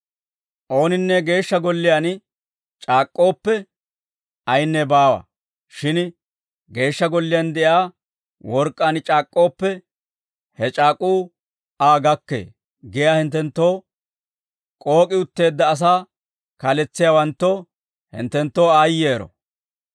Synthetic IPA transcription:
ʔo̞ːnɪnːɛɡe̞ːʃːɐɡɔlːɪjan | t͡ʃʼaːkʼːo̞ːpːɛ | ɐjnːɛbaːwɐ̰ | ʃɪn | ɡe̞ːʃːɐɡɔlːɪjɐnd̪ɛʔjaː | wɔɾkʼːaːnt͡ʃʼaːkʼːo̞ːpːɛ | hɛt͡ʃʼaːkʼuː | aːɡɐkːḛː | ɡɛjaːhɪnt̪ːɛnt̪ːo̞ː | kʼo̞ːkʼɪʊt̪ːe̞ːd̪ːɐːs̬aː | kɐlɛt͡sːɪjawɐnt̪ːo | hɪ̰nt̪ːɛnt̪ːo̞ːaːjːe̞ːɾɔ̰

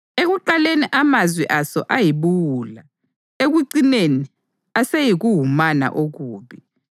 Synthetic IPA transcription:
eɣuǃaleniʔamazwiʔasɔ̰ʔajiβuwuːla | eɣuǀineni | asejiɣuɦumana̰ʔoɣuːβi

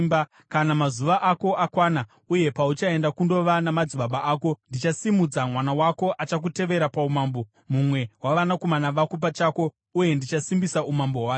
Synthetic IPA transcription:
b | kanamazuʋaʔako̞ʔakwaːna | uje̞paut͡ʃae̞ndakundo̞ʋanamad͡ziɓaɓaʔaːko̞ndit͡ʃasimud͡zamwanawako̞ʔat͡ʃak̬ute̞ʋe̞ɾapaumaːmbo̞ | mumwe̞waʋanako̞manaʋakop̬at͡ʃaːko̞ | uje̞ndit͡ʃasimbisaumamboɦwaː

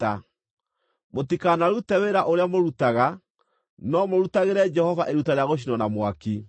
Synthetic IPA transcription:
a | motikanaɾutɛweɾaʔoɾeamoɾutaɣa | nɔmoɾutaɣeɾɛd͡ʒɛhɔvaʔeɾutaɾeaɣoʃ̬inɔnamwaki

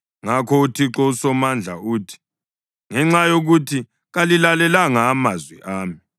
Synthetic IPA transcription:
ŋakʰɔutʰiǁɔusɔmand͡ɮʱa̰uːtʰi̥ | ŋɛŋ͡ǁajoɣutʰi | ɣalilalɛlaŋaːmazwḭʔaːmi

